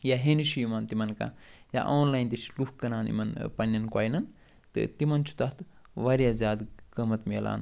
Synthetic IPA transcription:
jaːɦeniʃʰujimɐnt̪imɐnka̰ːja̰ʔoːnlaːjnt̪it͡ʃlukkɐnaːnḭmɐnpɐnːɐnkwɐːjnɐn | t̪ɨ̰t̪imɐnt͡ʃʰu̥t̪ɐt̪ | ʋɐɾʲjaːzʲjaːd̪kəmɐt̪meːlʔa̰ːn

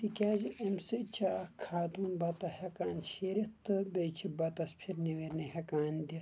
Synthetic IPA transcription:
t̪ikʲaːziʔemsit͡ʃaːkʰaːt̪uːnbɐt̪ɐhɐkaːnʃiɾit̪ːɨbejt͡ʃʰibɐt̪ɐspʰiɾniʋeɾneɦɐkaːnd̪i

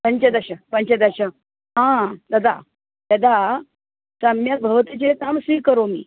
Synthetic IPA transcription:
pəɲt͡ɕed̪əɕəpəɲt͡ɕed̪əɕə | ɦãd̪ad̪a | t̪ad̪a | t̪amjabʱəʋt̪it͡ɕekamsikəɾomḭː

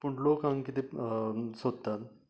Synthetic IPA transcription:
pəɳlokãŋɡkit̪e | sod̪̚t̪at̪

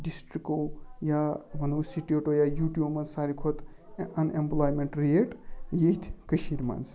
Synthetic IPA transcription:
ɖisʈɾikojaʋɐnowsiʈoʈojajuʈijomɐnsaːɾikʰot̪ | ɐnemplaːjmeɳʈɾeʈjet̪ʰkəʃiɾma̰ns

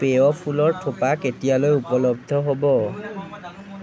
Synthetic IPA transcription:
peɔpʰulɔɹtʰopaketijalojupɔlɔbd̪ʱɔɦobɔ

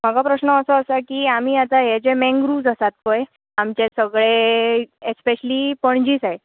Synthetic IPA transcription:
m̤aɡapɾəɕnəːsəːsəkiːam̤iːat̪aɦed͡zemɛ̃ŋɡɾuːd͡zəsat̪̚kəj | amt͡ɕesəɡɭe | espeɕəliːpəɳd͡ʑiːsaj

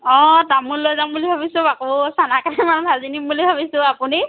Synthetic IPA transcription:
ɔ̃tamuɹlojzambulibʱabisʊ̃akosanakanimanbazinimbulibʱabisʊ̃apuni

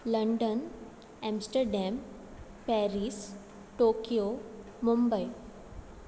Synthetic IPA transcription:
ləɳɖən | ɛmsʈəɾɖɛm | pɛɾiːs | ʈokijo | mumbəi

